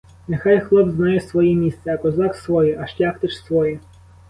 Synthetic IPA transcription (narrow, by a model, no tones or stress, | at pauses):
nexɑjxlˠɔbznɑjɛsʋɔjɛmʲist̪sɛɐkɔzɑksʋɔjɛʔɐʃlʲaxt̪ɪt͡ʃsʋɔjɛ